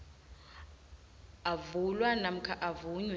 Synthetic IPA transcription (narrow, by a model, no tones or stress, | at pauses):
avulwanam̩kʰaʔavuɲwɛ